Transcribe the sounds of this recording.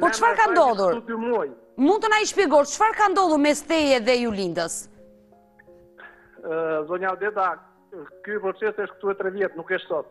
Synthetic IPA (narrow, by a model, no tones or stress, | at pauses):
pɔt͡ʃfaɾkand̪ɔðˠuɾud̪umuj | munt̪ɔnaiʃpɛɡɔɾt͡ʃfaɾkand̪ɔðˠuɾmɛst̪ɛjɛðɛjulind̪əs | zɔɲawd̪ɛd̪a | kypɾɔt͡ʃɛsɛʃt̪k̚t̪uɛt̪ɾɛvjɛt̪nukɛʃt̪sɔt̪̚